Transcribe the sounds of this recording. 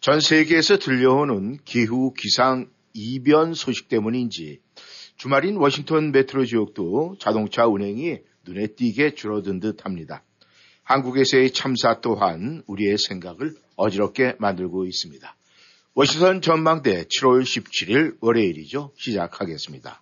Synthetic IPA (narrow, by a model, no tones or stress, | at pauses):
t͡ɕʌnsʰe̞ɡe̞ːsʰʌtɯʎːʌonɯnkiɦukisʰaŋ | ibjʌnsʰoɕʰi̥k̚t͈e̞muɲind͡ʑi | t͡ɕumaɾinwʌɕʰiŋtʰʌnme̞tʰɯɾod͡ʑiok̚t͈ot͡ɕadoŋt͡ɕʰaunɦe̞ŋi | nune̞t͈iɡe̞t͡ɕuɾʌdɯndɯt̚ʰamɲida | hanɡuɡe̞sʰeit͡ɕʰamsʰat͈oɦanuɾie̞sʰe̞ŋɡaɡɯɭ | ʌd͡ʑiɾʌp̚k͈ʰe̞mandɯɭɡois͈ɯmɲida | wʌɕʰiŋtʰʌnt͡ɕʌnmaŋde̞t͡ɕʰiɾwoɭɕʰip̚t͡ɕʰiɾiɾwʌɾe̞iɾid͡ʑoɕʰid͡ʑakʰaɡe̞s͈ɯmɲida̰